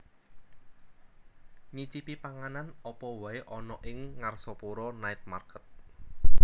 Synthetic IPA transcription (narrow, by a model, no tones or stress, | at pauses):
ɲit͡ʃipipaŋananɔpɔwaeʔɔnɔʔɪŋːarsɔpoɾɔnaɪt̪̚ma̰rkət̪̚